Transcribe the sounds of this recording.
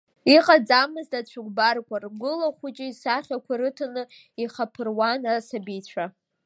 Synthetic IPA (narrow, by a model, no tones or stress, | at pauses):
iqʼad͡zamɨztat͡ɕʷʰʊɡʷʼbarkʷarɡʷʊlaχʷʊt͡ʃʼɪisaχʲakʷaɾɨtʰanɨ | iχapʰɨrwanasabijt͡ɕʷʰa